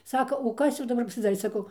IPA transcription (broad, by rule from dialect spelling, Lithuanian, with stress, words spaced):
ˈsɑːkɐ oː ˈkɐs jɛʊ dɐˈbɐr pɐsʲɪˈdɑːrʲeː sɐˈkɐʊ